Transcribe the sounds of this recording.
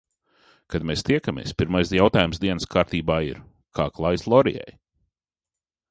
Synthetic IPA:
kad̪meːst̪iɛkamḭɛspʲiɾmajsjawt̪aːjumsd̪iɛnəskʰaːɾt̪iːbaːḭɾ | kʰa̰ːklˠajslˠɔɾḭjɛ̰j

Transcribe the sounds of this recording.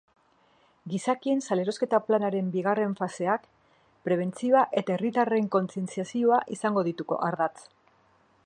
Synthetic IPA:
ɡisakie̞nsale̞ɾo̞ske̞t̪aplanaɾe̞mbiɣ̞are̞ɱfase̞ak | pɾe̞β̞e̞nt͡sioaʔe̞t̪aerit̪are̞ŋko̞nt͡sie̞nt͡siasioaʔisaŋɡo̞ðit̪uko̞̰ʔaɾðat͡s

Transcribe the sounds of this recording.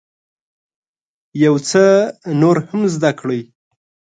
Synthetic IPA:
jawt͡sənoɾhamzd̪akɽəj

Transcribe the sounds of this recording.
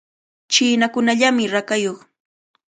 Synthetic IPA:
t͡ʃɪːnakʊnaʎamɪɾakajoχ

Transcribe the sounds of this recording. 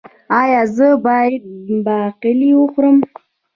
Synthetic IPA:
ɑjɑzəbɑjad̪̚bɑqɪliwəxʷɾəm

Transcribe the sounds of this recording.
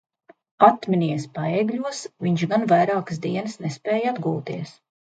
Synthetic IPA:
at̪mʲinʲiɛspaɛɡʎʲuɔsviɲʃɡanvajɾaːks̬d̪iɛnɨsnɛspɛːjad̪ɡuːlˠt̪iɛs

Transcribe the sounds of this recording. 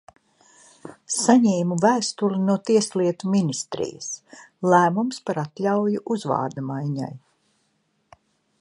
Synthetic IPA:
saɲɛːmuvæːst̪ulinuɔt̪iɛsliɛt̪uminist̪ɾḭjə̰slˠæːmumspaɾat̪lʲawjuʔuzva̰ːɾd̪amajɲa̰j

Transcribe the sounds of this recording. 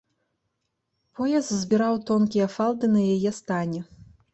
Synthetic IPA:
pʰɔjɐst̪zʲbʲiɾawt̪ɔnkʲijɐfalˠd̪ɨnɐjajɛst̪anʲɛ

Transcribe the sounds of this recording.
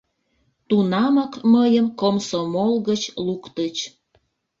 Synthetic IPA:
t̪unɑməkməjəmkomsomolɣət͡ɕlukt̪ət͡ɕ

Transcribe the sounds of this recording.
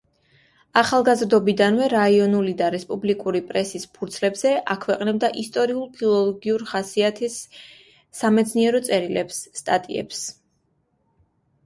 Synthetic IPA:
aχalˠɡazɾd̪ɔbid̪anvɛɾaiɔnulid̪aɾɛspʼublikʼuɾipʼɾɛsispʰuɾt̪sʰlɛbz̥ɛʔakʰwɛqʼnɛb̚d̪aʔist̪ʼɔɾiulˠpʰilˠɔlˠɔɡiuɾχasiat̪ʰisː | amɛt̪sʰniɛɾɔt̪sʼɛɾilɛpsːt̪ʼat̪ʼḭɛ̰ps

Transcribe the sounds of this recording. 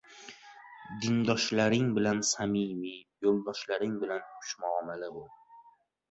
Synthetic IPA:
d̪ɪnd̪ɒʃlaɾɪŋbɪlansamimijolˠd̪ɒʃlaɾɪŋbɪlanʰʊ̥ʃmaɒmalɪbʊ

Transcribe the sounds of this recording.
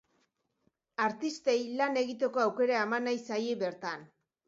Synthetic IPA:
aɾt̪ist̪e̞jlane̞ɣit̪e̞ko̞awke̞ɾaemanajsajeβe̞ɾt̪an

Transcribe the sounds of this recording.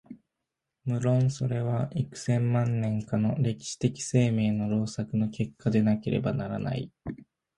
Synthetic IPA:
mɯ̟ɾõ̞ɰ̃so̞ɾe̞βaʔikɯ̟̥sẽ̞mːãnːẽ̞ŋkano̞ɾe̞kʲi̥ɕi̥t̪e̞kʲi̥se̞ːme̞ːno̞ɾo̞ːsakɯ̟no̞ke̞kʰːad̪e̞nake̞ɾʔe̞̰banaɾa̰na̰ḭ

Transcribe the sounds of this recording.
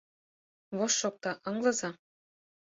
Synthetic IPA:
βoʃːok̚t̪ɑʔɤ̆ŋlɤ̆zɑ

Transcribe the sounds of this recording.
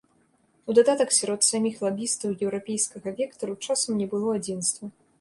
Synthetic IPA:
ud̪ad̪at̪ɐksʲaɾɔt̪samʲixlˠabʲist̪ɐwjɛwɾapʲejskɐɣɐvʲɛkt̪ɐɾut͡ʂasɐmnʲɛbɨlˠɔad͡zʲinst̪vɐ

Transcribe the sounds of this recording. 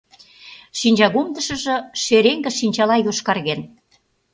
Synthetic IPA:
ʃinʲd͡ʑɑɣumd̪ə̆ʃə̆ʒɤ̆ʃeɾeŋɡə̆ʃinʲt͡ɕɑlɑjoʃkɑrɣen

